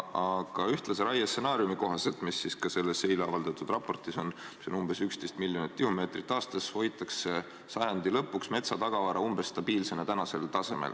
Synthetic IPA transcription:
ɑɡ̥ɑyht̪lɑseɾɑjɑse̞nɑːɾjumiko̞ɦɑse̞lt̪misːiskɑse̞lːe̞se̞jleɑvɑld̪̥ɑt̪ːˑud̪̥rɑpːˑo̞rt̪ˑiso̞n | misonumb̥e̞sykst̪e̞jst̪milʲːjo̞nit̪̚ːkihume̞ːt̪ɾrit̪ːˑɑːst̪ɑsvo̞jt̪ːˑɑkse̞ | sɑjɑnd̪ilɤpːˑuksme̞t̪sɑt̪ɑɡ̥ɑvɑɾɑumb̥e̞sːt̪ɑb̥iːlse̞net̪ænɑse̞lt̪ɑse̞mḛ̥ɑ

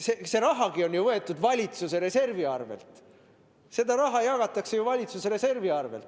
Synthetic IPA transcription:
sese̞ɾɑɦɑɡio̞njuvɤe̞t̪ːˑud̪vɑlʲit̪suse̞ɾe̞se̞rviɑrvḛlt̪ | se̞d̪ɑɾɑɦɑjɑɡ̥ɑt̪ːˑɑkse̞juvɑlʲit̪suseɾe̞se̞rviɑrvḛlt̪ˑ

